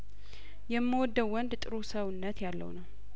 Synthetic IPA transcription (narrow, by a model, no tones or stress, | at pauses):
jɛmːəwɔd̪ːəwːɔnd̪t̪ʼɨɾusəβɨnːət̪jalːə̰wnəw